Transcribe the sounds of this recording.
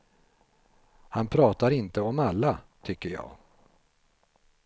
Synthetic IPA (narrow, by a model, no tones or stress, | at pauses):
hanpʰɾɑːt̪aɾɪnt̪əɔmalːat̪ʰʏkːəɾjɑ̰ːɡ